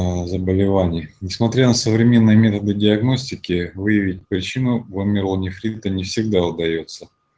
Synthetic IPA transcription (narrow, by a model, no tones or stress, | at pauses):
zəbəlʲɪvanʲɪjənʲɪsmɐt̪ɾʲanəsəvɾʲɪmʲe̞nːɨjəmʲe̞t̪əd̪ɨdʲɪɐɡno̞sʲtʲɪkʲɪvɨjəvʲɪt̚ʲpɾʲɪt͡ɕinʊvomʲɪrlˠnʲɪfɾʲit̪ənʲɪfsʲɪɡ̚d̪aʊd̪ɐjo̞t̪sə